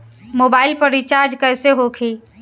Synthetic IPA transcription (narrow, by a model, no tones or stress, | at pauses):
moːbaːɪlpəɾit͡ʃaːɾd͡ʒkɛːseɦoːkʰiː